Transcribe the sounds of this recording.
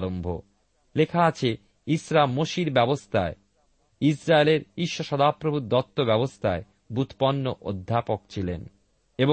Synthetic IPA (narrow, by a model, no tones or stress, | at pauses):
ɾombʱo̰ | lekʰaat͡ɕʰe | isɾamːoʃiɾbɛbost̪ʰae | isɾaeleɾiʃːoʃɔd̪apɾobʱud̪ɔt̪ːobɛbost̪ʰae | but̪pɔnːoʔod̪ʱːapokt͡ɕʰilen | ebo